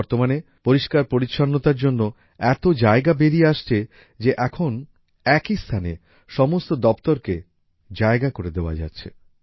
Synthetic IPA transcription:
ɔɾt̪omane | poɾiʃkaɾpoɾitːʃʰanːot̪aɾd͡ʑonːo | ɛt̪od͡ʑaeɡabeɾieaʃt͡ɕʰe | d͡ʑeʔɛkʰon | ɛkist̪ʰane | ʃɔmost̪od̪ɔpt̪oɾke | d͡ʑaeɡakoɾed̪eoa̰d͡ʑa̰tːɕʰe

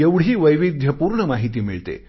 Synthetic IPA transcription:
eʋɽ̤ɦiːʋəjʋid̪ʱjəpuːɾɳəmaɦit̪iːmḭɭt̪ḛ

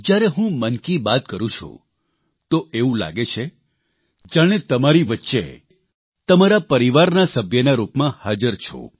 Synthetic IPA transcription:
d͡ʒjaɾeɦũmənkibat̪̚kəɾũt͡ʃʰṵ | t̪oʔeũla̰ɡet͡ʃʰe | d͡ʒaɽ̃et̪əmaɾiʋətːʃḛ | t̪əmaɾapəɾiʋaɾnasəbʱjənaɾupmãhad͡ʒəɾt͡ʃʰo̰

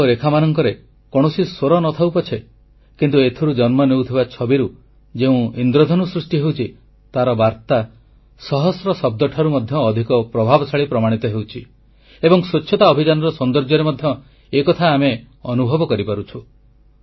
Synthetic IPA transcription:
ɾekʰamanɔŋkɔɾe | kɔɽ̃ɔsisoɾɔnɔt̪ʰawpɔt͡ʃʰe | kint̪uet̪ʰɔɾud͡ʒɔnmɔnewt̪ʰibat͡ʃʰɔbiɾu | d͡ʒeũind̪ɾod̪ʱɔnusɾusʈiɦewt͡ʃʰi | t̪aɾɔbaɾt̪a | sɔɦɔsɾɔsɔb̚d̪ɔʈʰaɾumɔd̪ʱjɔːd̪ʱikɔpɾɔbʱabɔsaɭipɾɔmaɽ̃it̪ɔɦewt͡ʃʰi | ebɔŋsot͡ʃʰːɔt̪aɔbʱid͡ʒanɔɾɔsɔnd̪ɔɾd͡ʒɔɾemɔd̪ʱjɔ | ekɔt̪ʰaːme | ɔnubʱɔbɔkɔɾipaɾut͡ʃʰu

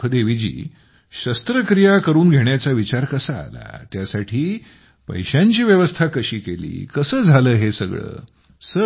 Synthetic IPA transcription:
d̪eʋid͡ʑḭː | ɕəst̪ɾəkɾijakəɾuːnɡʱeɳjat͡saʋit͡ɕaɾkəsa̰ːla̰t̪jasaʈʰiː | pə̰jɕãɲt͡ɕiːʋjəʋəst̪ʰakəɕiːkelḭːkəsəːd͡zʱaləːɦesəɡɭə̰ː | sə

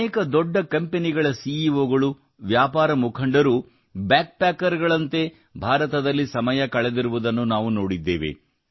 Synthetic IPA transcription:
eːkɐd̪ɔɖːɐkɐmpeniɡɐɭɐsiːiʋoːɡɐɭu | ʋjaːpaːɾɐmukʰɐɳɖɐɾu | bjaːk̚paːkːɐɾɡɐɭɐnt̪e̞ | bʱaːɾɐt̪ɐd̪ɐlːisɐmɐjɐkɐɭe̞d̪iɾuʋud̪ɐnːunaːʋuno̞ːɽid̪ːḛːʋe̞̰

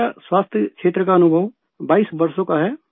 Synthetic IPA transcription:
aswaːst̪ʰjəkʃeːt̪ɾəkaɐnʊbʱəʋ | baːisbəɾsõkaɦɛː

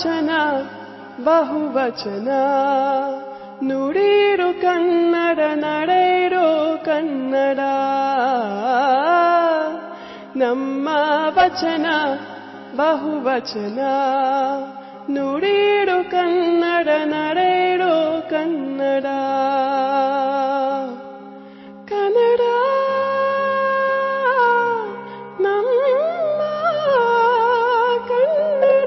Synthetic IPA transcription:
t͡ʃɐnɐ | bɐɦuʋɐt͡ʃɐnɐ | nuɽiɽukɐnːɐɽɐnɐɽejɾokɐnːɐɽa | nɐmːɐʋɐt͡ʃɐnɐ | bɐɦuʋɐt͡ʃɐna | noɽiɽokɐnːɐɽɐnɐɽeɽokɐnːɐɽa | kɐnɐɽa | nɐmː | ɐ | kɐnːɐ

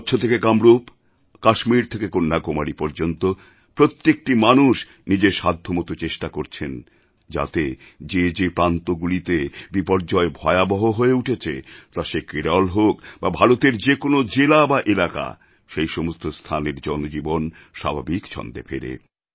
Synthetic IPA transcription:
tːɕʰot̪ʰekekamɾop | kaʃmiɾt̪ʰekekonːakomaɽipɔɾd͡ʑont̪o | pɾot̪ːek̚ʈimanuʃ | nid͡ʑeɾʃad̪ʱːomot̪ot͡ɕeʃʈakoɾt͡ɕʰen | d͡ʑa̰t̪e | d͡ʑed͡ʑepɾant̪oɡulit̪ebipɔɾd͡ʑɔebʱɔeabɔɦoɦoeuʈʰet͡ɕʰḛt̪aʃekiɾalɦokbabʱaɾot̪eɾd͡ʑekonod͡ʑelabaʔelaka̰ | ʃejʃomost̪ʰost̪ʰaneɾd͡ʑɔnod͡ʑibon | ʃa̰bʱabikt͡ɕʰɔ̰nd̪ḛfʰḛɾḛ

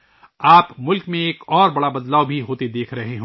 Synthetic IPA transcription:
aːpmʊlkmẽeːkɔːɾbɐɽabɐd̪laːwbʱiɦoːt̪ed̪eːkʰɾɐɦeɦː

